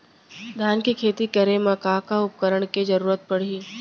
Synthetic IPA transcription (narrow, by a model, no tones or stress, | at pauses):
d̪ʱjaːnkikʰeːt̪ikɐɾẽmɐkaːkaʊp̚kəɾəɽ̃ked͡ʒɐɾuːɾət̪̚pɐɽ̤iː